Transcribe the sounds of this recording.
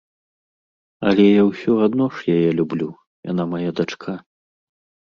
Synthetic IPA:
ɐlʲɛjawsʲɔad̪nɔʂjajɛlʲublʲu | ja̰namajad̪at͡ʂkʰa

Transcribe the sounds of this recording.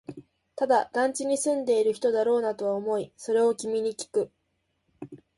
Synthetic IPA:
t̪ad̪ad̪̥ãɲ̟t͡ɕiɲ̟isɨ̃nd̪e̞iɾɯ̟çi̥t̪o̞d̪aɾo̞ːnat̪o̞βaomo̞iso̞ɾe̞o̞kʲimʲiɲ̟ikʲi̥kɯ̟

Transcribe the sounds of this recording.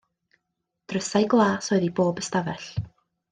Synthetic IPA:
d̥rəsaɨɡlˠaːsoɨðiboːbəstavɛɬ

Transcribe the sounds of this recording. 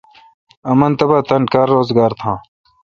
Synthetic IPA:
ɐmɐnt̪ɐbaːt̪ɐnkaːɾːoːzɡaːɾt̪ʰãː

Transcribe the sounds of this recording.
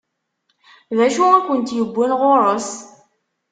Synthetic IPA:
ðæʃuækʷənt̪jəbʷːunʁoɾˤəs

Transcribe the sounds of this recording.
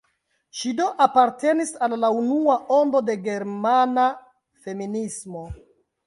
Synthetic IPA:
ʃido̞ʔapaɾte̞nisalːaunuaʔo̞ndo̞de̞ɡe̞ɾmana | fe̞minismo̞

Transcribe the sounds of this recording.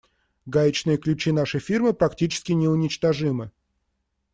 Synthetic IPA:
ɡajɪt͡ɕnɨjəklʲʉt͡ɕinaʂəjfʲirmɨpɾɐktʲit͡ɕɪ̥skʲɪnʲɪʊnʲɪt͡ɕt̪ɐʐɨmɨ

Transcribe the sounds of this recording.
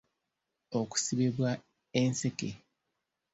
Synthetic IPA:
oku̥siβeβwa | ense̞kḛ

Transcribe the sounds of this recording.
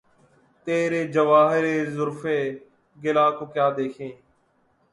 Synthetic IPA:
t̪eːɾeːd͡ʒəʋaːɦɪɾeːzʊɾfeː | ɡɪlaːkoːkjaːd̪eːkʰẽː

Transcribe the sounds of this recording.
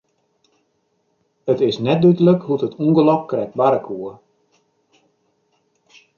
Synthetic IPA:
ətɪsnɛt̚dydələkhutətʰuəŋɡəlɔp̚krɛk̚t̚baɾəkʰuə

